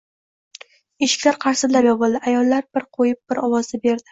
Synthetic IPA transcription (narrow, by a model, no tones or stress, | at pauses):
eʃɪ̥kʲlaɾqʰɑɾsɪd̪laɾjɒbɨlˠd̪ɪʔajɒlˠːaɾb̥ɪɾqʰojɪp̚b̥ɪɾɒwɒzd̪abe̞ɾd̪ɪ